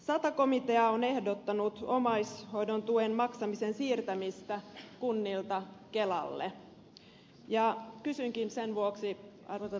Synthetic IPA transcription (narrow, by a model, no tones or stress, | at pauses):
sɑt̪ɑko̞mit̪e̞ɑone̞hdo̞t̪ːɑnut̪o̞mɑjsho̞jdo̞nt̪uenmɑksɑmisensiːrt̪æmist̪ækunːilt̪ɑke̞lɑ̰lːḛ | jɑkysyŋkinsenʋuoksiɑrʋ